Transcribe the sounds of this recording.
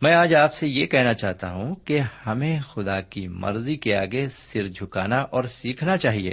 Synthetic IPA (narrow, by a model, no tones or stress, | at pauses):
mɛ̃ːaːd͡ʒaːpsejekɛɦnat͡ʃaːɦt̪a̰ɦũkehɐmẽxʊd̪akimɐ̰ɾzikeaːɡesɪɾd͡ʒʱʊkaːnaʔɔːɾsiːkʰnat͡ʃaːɦiḛː